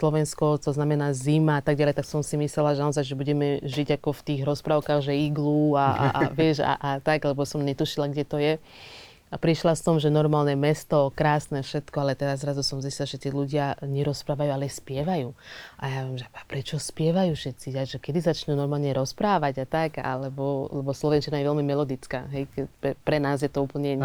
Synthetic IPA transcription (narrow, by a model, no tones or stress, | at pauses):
slɔʋɛnskɔt̪ɔznamɛnaːzimaat̪aɡɟalɛjt̪aksɔmsimislɛlaʒɛnaɔzajʒɛbuɟɛmɛʒiɟakɔft̪iːɣɾɔspɾaʊkaːɣʒɛiɡlua̰aʋɪɛʃa̰ʔat̪aɡlɛbɔsɔmɲɛt̪uʃilaɡɟɛt̪ɔjɛ | apɾiʃlasɔmʒɛnɔɾmaːlnɛmɛst̪ɔkɾaːsnɛfʃɛt̪kɔalɛt̪ɛɾazːɾazusɔmziscilaʒɛt̪iɛluɟɪaɲɛɾɔspɾaːʋajualɛspɪɛʋajuːa̰jaʋjɛmʒɛapɾɛt͡ʃɔspɪɛʋajuːfʃɛt̪t͡siaʒɛkɛd̪izat͡ʃɲunɔɾmaːlɲɛɾɔspɾaːʋaɟat̪aka̰lɛbɔlɛbɔslɔʋɛnt͡ʃinajɛʋɛlmimɛlɔd̪it͡skaːɦɛjkɛpɛpɾɛnaːzjɛt̪ɔuːpl̩ɲɛ